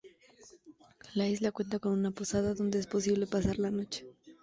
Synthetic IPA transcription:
laizlakwe̞nt̪ako̞nunapo̞saðaðo̞nd̪e̞espo̞siβ̞le̞pasaɾlano̞t͡ʃe̥

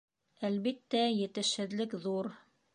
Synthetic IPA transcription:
ælβit̪ːæjɘ̆t̪ɘ̆ʃhɘ̆ðlɘkðuɾ

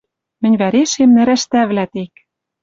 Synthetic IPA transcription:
mɘ̆nʲβæɾeʃemnɘ̆ɾæʃt̪æβlæt̪ek̚

